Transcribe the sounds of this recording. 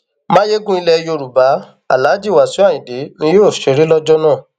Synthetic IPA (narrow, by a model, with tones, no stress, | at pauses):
mã˦je˦ɡũ˦i˧lɛ˧jo˧ɾu˨ba˨˦ | a̰˦˨la˨˦d͡ʒi˦˨wa˨sũ˨˦a˦˨ĩ˨de˨˦nĩ˦jo˦˨ʃe˨˦ɾi˦lɔ˦d͡ʒɔ˦nãː˦˨